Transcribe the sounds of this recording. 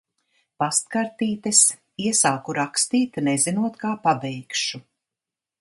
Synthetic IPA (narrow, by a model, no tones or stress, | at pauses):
past̪kaɾt̪iːt̪ɨs | iɛsaːkuɾakst̪iːt̪nɛzinuɔt̪kaːpabɛjkʃu